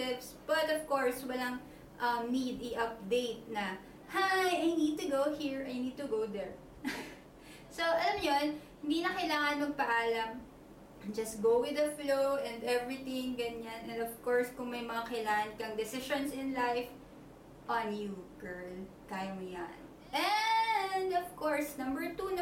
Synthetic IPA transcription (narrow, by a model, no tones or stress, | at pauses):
ɪpsb̥ɐt̪ɔv̥koɹswɐlɐŋ | ʔɐmnid̪ɪʔɐp̚d̪ejt̪̚nɐ | hajɐjnid̪̚t̪ʊɡowhiɹɐjnid̪̚t̪ʊɡowðɛɹ | soʔɐlamɲonhɪnd̪iːnɐkɐjlaːŋɐnmɐɡ̚pɐʔaːlɐm | d͡ʒɐsɡowwɪðɐflowʔɛ̃nd̪ɛvɹɪt̪ɪ̃ŋɡɐɲanʔɛ̃nd̪ɔv̥kɔɹskʊŋmɐjmɐŋakɐjlaːŋɐnkɐŋd̪ɛsɪʃonsɪnlajf | ʔɐnjuɡ̥ɛ˞l | t̪ajmjan | ʔɛ | nd̪ɔv̥kɔɹsnɐ̃mbɛɹt̪un